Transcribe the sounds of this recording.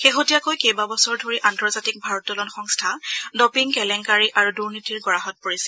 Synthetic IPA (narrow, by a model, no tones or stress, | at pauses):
xeɦotijakojkejbabɔsɔɹdʱoɹiʔantɔɹzatik̚bʱaɹɔt̚dɔlɔnxɔŋstʰadɔpiŋkɛlɛŋkaɹiʔaɹuduɹnitiɹɡɔɹaɦɔt̚poɹisɛ